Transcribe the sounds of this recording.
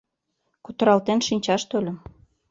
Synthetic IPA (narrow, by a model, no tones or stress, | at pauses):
kut̪ə̆ɾɑlt̪enʃinʲt͡ɕɑʃt̪olʲə̆m